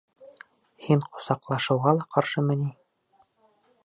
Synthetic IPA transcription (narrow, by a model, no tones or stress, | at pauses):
hiɴqŏ̥sɑqlˠɑʃɤ̆wʁɑlˠɑqɑɾʃɤmɘ̆ni